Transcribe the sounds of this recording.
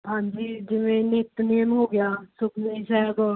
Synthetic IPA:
ɦãːɲd͡ʒiːd͡ʒɪʋẽːnɪt̪neːmɦoːɡɪjaːsʊkʰnəisɛːɡɔː

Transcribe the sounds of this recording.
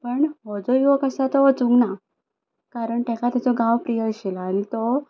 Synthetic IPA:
pəɳɦɔd͡zɔjʋɔkəsat̪ɔɔt͡sũŋɡna | kaɾəɳt̪ɛkat̪jat͡sɔɡaʋpɾijəɕilanit̪ɔ

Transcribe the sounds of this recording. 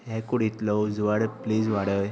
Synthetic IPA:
ɦɛkuɽit̪lɔwd͡zuʋaɽpliːd͡zʋaɽəj

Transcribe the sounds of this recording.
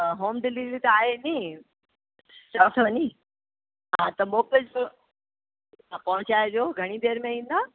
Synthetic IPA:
ɦoːmɖɪlid͡ʑit̪aːɦenĩ | saːt̪ʰəʋniː | ɦãt̪ɐmoːkəd͡ʑ | pɐ̃ɦʊ̃t͡ɕaːjdoɡʱɐɽ̃id̪eːɾmẽĩːnd̪aː

